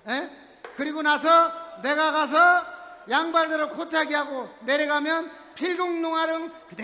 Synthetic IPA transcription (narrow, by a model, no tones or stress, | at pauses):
je | kɯɾiɡonasʰʌne̞ɡaɡas̬ʰʌjaŋbaɭdɯɾɯkʰot͡ɕʰaɡiɦaɡoneɾʌɡamjʌn | pʰiɭɡoŋnoŋaɾɯŋkɯt̪e